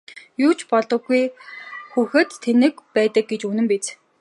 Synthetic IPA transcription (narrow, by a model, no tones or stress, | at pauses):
juːt͡ɕʰpɔɮɞ̆ɡujxuxɘ̆t̪ʰːenɘ̆kpæːt̪ə̆k̚ɡet͡ɕunɘ̆mpet͡s